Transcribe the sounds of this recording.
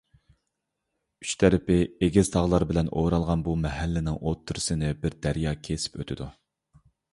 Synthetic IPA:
yt͡ʃt̪ʰɛɾɪpɪeɡʲɪz̥t̪ʰɑʁlˠɑɾbɪlɛnʔoɾɑlˠʁɑnbumɛhælːɪnɪŋʔot̪ʰːuɾɨsɨnɪbɪɾd̪æɾjɑːkʲʰesɪ̥pøt̪ʰɪd̪u

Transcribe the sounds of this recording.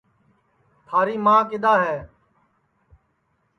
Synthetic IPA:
t̪ʰaːɾiːmãːkɪɗ̪aːɦɛː

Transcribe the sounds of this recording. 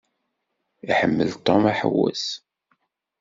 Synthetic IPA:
iħəmːəlt̪ˤomaħə̰wːæ̰s

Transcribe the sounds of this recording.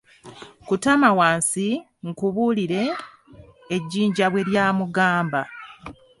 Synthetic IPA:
kutamawaːnsi | ŋkuβuliɾe̞ː | ɟːiːɲɟaβwe̞ɾjaːmuɡaːmba

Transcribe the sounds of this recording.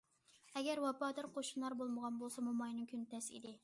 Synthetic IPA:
ɛɡʲɛɾwɑpɑːd̪ɑɾqʰoʃunlˠɑɾbolˠməʁɑnbolˠsɑmumɑjnɨŋkʲʰynt̪ɛsḭd̪ɪ

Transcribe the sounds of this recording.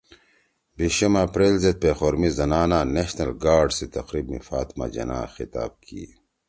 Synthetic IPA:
biɕumapɾeːlzet̪̚peːxoːɾmizɐnaːnaneɕnɐlɡaːɾɖset̪ɐqɾibmḭfaːt̪ma̰d͡ʑɐ̰na̰ːxit̪a̰ːb̚kʰḭ

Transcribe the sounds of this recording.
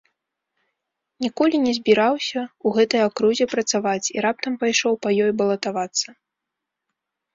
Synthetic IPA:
nʲikɔlʲinʲɛzʲbʲiɾawsʲɐuɣɛt̪ɐjakɾuzʲɛpɾɐt̪savat͡sʲiɾap̚t̪ɐmpajʂɔwpɐjɔjbɐlˠɐt̪avat̪sːɐ

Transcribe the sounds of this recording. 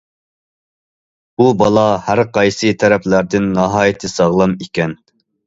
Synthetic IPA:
bubɑlˠɑhæɾqɑjsɨt̪ʰɛɾɛplæɾd̪ɪnːɑɦɑːjit̪ʰɪsɑʁlˠɑmikʲɛn

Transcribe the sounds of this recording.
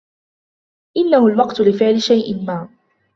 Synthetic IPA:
ʔɪnːahʊlwɑqt̪ʊlɪfɪʕlɪʃajʔɪnmaː

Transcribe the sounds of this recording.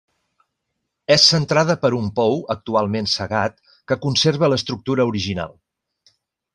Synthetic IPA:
ɛsːənt̪ɾað̞əpəɾumpɔwək̚t̪ualˠmensəɣat̪ | kəkunseɾβ̞ələst̪ɾuk̚t̪uɾəuɾiʒina̰lˠ

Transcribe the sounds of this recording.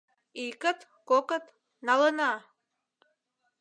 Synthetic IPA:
ikət̪ | kokət̪ | nɑlənɑ

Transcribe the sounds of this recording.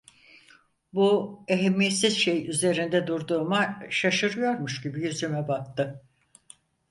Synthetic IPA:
bue̞ɦemːije̞t̪sizʃejyze̞ɾind̪ɛd̪uɾd̪uːmaʃaʃɯɾɯjo̞ɾmuʃɟibijyzymɛbak̚t̪ɯ

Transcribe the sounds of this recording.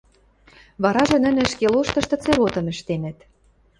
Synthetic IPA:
βɑɾɑʒɤ̆nə̆nɘ̆ʃkeloʃt̪ɤ̆ʃt̪ɤ̆t͡seɾot̪ɤ̆mə̆ʃt̪enɘ̆t̪

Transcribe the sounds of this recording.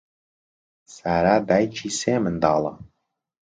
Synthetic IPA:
sæɾæd̪æjt͡ʃʰisemənd̪ɑːlˠɑ̰

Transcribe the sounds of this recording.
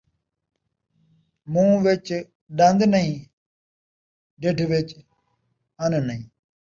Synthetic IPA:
mũːʋɪt͡ʃ | ɗə̃nd̪nəɦĩː | ɖɪɖʱʋɪt͡ʃ | ənənəɦĩː

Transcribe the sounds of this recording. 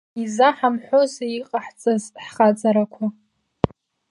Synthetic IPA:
izaħamħʷo̞zeiqʼaħt͡sʼazħχat͡sʼaɾakʷʰa

